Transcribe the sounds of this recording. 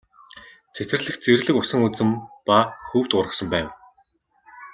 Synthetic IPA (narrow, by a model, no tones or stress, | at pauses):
t͡sʰet̪ɘ̆rɮɘ̆xt͡serɮɘ̆kʊsə̆ŋut͡sɘ̆mpaxuːwt̪ʊrʁə̆χsə̆mpæːw